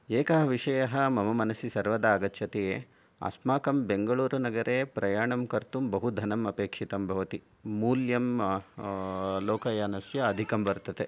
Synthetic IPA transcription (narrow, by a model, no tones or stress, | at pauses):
eːkɐɦɐʋiʂɐjɐɦɐmɐmɐmɐnɐsisɐɾʋɐd̪ɐːɡɐtːʃʰɐt̪ee | a̰ːsmaːkɐmbeŋɡɐɭuːɾunɐɡɐɾʔeːpɾɐjaːɳɐmkɐɾt̪umbɐɦud̪ʱɐnɐmɐpeːkʂit̪ɐmbʱɐʋɐt̪i | muːljɐm | loːkɐjaːnɐsjɐːd̪ʱikɐmʋɐɾt̪ɐt̪e